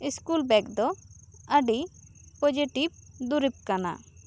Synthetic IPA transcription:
iskulbɛkd̪ɔəɖipɔd͡ʒiʈib̚d̪uɾib̚kana̰

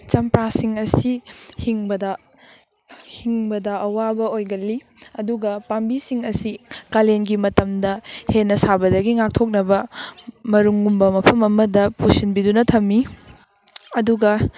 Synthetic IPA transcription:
t͡ʃɐmpɾasiŋɐsihiŋbɐdɐ | hiŋbɐdɐʔɐwabɐojɡɐlːiɐduɡɐpambisiŋɐsikalenɡimɐtɐmdɐhenːɐsabɐdɐɡiŋak̚tʰok̚nɐbɐmɐɾuŋːumbɐmɐpʰɐmɐmɐdɐpusinbidunɐtʰɐmːi | ɐduɡɐ

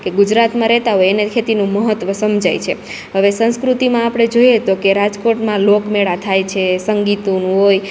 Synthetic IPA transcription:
keɡud͡ʒɾat̪mãɾɛɦt̪aɦojenekʰet̪inũməɦət̪ʋəsəmd͡ʒajt͡ʃʰe | ɦəʋesə̃ñskɾut̪imãapɽ̃ed͡ʒoiet̪okeɾad͡ʒkoʈmãlokmeɭat̪ʰajt͡ʃʰesəŋɡit̪onũɦoj

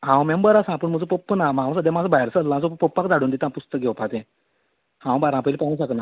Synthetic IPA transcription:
ɦãwmembəɾasãpəɳm̤əd͡zopopːənamãwsad̪amad͡zabajɾsəlããd͡zopopːak̚d͡zaɽuːnd̪it̪ãpust̪ək̚ɡʱɛwpat̪ẽ | hãw̃baɾãpəlipaɦũːɕəkna

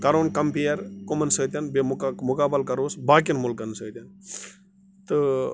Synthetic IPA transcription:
kɐɾoːnkɐmpijɐɾkomɐnsəːt̪ʲjɐnbemmʊkaːbɐlkɐɾoːsbaːk̬inmulkɐnsəːt̪ʲɐn | t̪ɨ

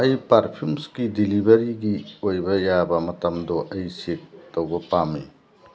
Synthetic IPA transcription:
ɐjpɐɾpʰuɾmskidilibɐɾiɡiojbɐjabɐmɐtɐmdoʔɐjsek̚tːɐwbɐpami

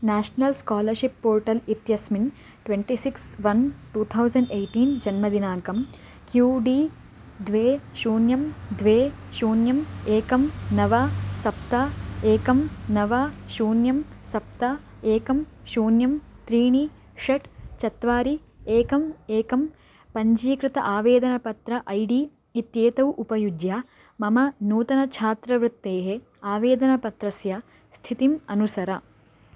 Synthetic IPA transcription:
naːʃnɐlskaːlɐɾʃipːoːɾʈɐlit̪jɐsmin | ʈʋeɳʈisiksʋɐnʈuːt̪ʰɐwsɐɳɖejʈiːnd͡ʒɐnmɐd̪inaːkɐm | kjuːɖi | d̪ʋeːʃuːnjɐmd̪ʋeːʃuːnjɐmeːkɐmnɐʋasɐp̚t̪aeːkɐmnɐʋaːʃuːnjɐmsɐp̚t̪ɐ | eːkɐmʃuːnjɐmt̪ɾiːɳi | ʂɐʈt͡ʃɐt̪ʋaːɾi | eːkɐmeːkɐm | pɐɲd͡ʒiːkɾɪt̪ɐʔaːʋeːd̪ɐnɐpɐt̪ɾɐʔɐjɖiː | t̪jeːt̪ɐwʔupɐjud͡ʒjaː | mɐmɐnuːt̪ɐnɐt͡ʃʰaːt̪ɾɐʋɾut̪ːeːɦe | aːʋeːd̪ɐnɐpɐt̪ɾɐsjɐ | st̪ʰit̪imɐnusɐɾɐ

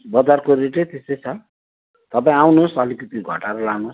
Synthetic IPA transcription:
bʌd͡zarkoɾeʈet̪est̪ʌjt͡sʰʌ | t̪ʌpãĩawnosʌlikip̪iɡʱʌʈaɾʌlanos

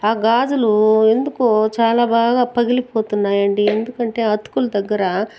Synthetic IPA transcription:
aːɡaːd͡ʒulue̞nd̪ukot͡ʃaːlaːbaːɡaːpɐɡilipo̞ːt̪unːaːjɐɳɖiend̪ukɐɳʈe̞ːɐt̪kulɐd̪ɐɡːɐɾɐ

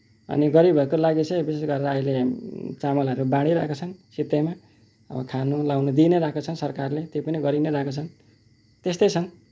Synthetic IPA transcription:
ʌ̰niɡʌɾibʱʌkolaɡit͡sʰʌbisesɡʌɾeɾʌːilet͡samʌlʌɾubãɽ̃iɾa̰ɦkot͡sʰʌnsit̪ema | ʌ̰bʌkʰanolawnod̪ineɾakot͡sʰʌnsʌrkarlet̪jopʌniɡʌɾineɾakot͡sʰʌn | t̪est̪ʌjt͡sʰʌn

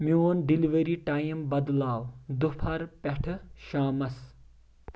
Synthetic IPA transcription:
mjoːnɖiliʋeɾiːʈaːjimbɐd̪laːwd̪ʊpʰɐɾpɐʈʰʃaːmɐs

